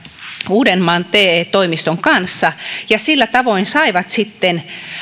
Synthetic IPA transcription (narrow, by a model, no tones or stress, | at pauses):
uːdenːɑːnt̪eːt̪oimist̪oŋkɑnsːɑjɑsilːæt̪ɑʋoinsɑiʋɑt̪sit̪ːen